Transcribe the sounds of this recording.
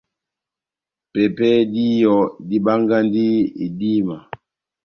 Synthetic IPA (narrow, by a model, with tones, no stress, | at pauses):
pɛ˨pɛ˦di˦jɔ˨di˦ɓa˦ŋɡa˦ndi˦ḭ˨di˦ma˨